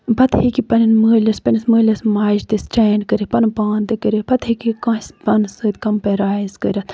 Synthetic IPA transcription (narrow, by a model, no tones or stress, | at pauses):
bɐt̪hekipɐnʲinməːlʲɐspʲɐnisməːlʲɐsmaːʃt̪ist͡ʃɐːnkəɾipɐnpaːnt̪ɨkəɾʲibɐt̪hekikãːspɐnsɨːt̪ʲkɐmpeɾaːizkə̰ɾʲɐt̪